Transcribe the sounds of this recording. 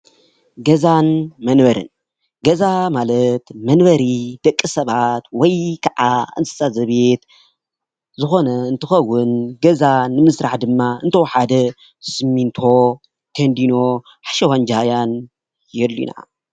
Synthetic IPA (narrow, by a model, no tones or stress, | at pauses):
ɡɐzanmɐnbɐɾɨ̰n | ɡɐzamalɐt̪mɐnβɐɾid̪̥ɐkʼːɨsɐβat̪wɔjkʰɐʕaɨ̰nt̪ʰɨ̥sʼazɐβe̞t̪ | zɨxo̞nɐɨnt̪ʰɨxɐwːʊnɡɐzanɨmɨsɾaħd̪ɨmːaʔɨnt̪ʰɐwħad̪ɐ | sɨmːint̪ʰo̞ | t̪ʰɐnd̪ino̞ | ħaʃɐwand͡ʒhajan | jɛlːḭna̰